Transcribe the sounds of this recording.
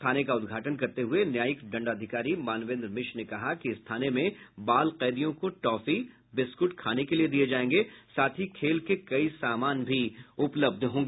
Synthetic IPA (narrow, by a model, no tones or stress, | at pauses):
t̪ʰaːnekaʊd̪ɡʱaːʈənkɐɾt̪eɦʊenjaːjəkɖɐ̃ɳɖəd̪ʱɪkaːɾimaːnʋẽːnd̪ɾmɪʃnekɐɦakiɪst̪ʰaːnemẽbaːlqɛːd̪ijõkoʈɔːfi | bɪskʊʈkʰaːnekelied̪ied͡ʒaːẽːŋɡesaːt̪ʰikʰeːlkekɐisaːmaːnbʱiʊpləb̚d̪ʱɦõːŋɡe